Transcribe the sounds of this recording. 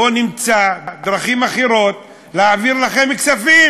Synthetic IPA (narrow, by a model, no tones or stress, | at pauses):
onimt͡sad̪ʁaχimaχiɾo̞t̪̚ | leaːviʁlaχe̞miksafi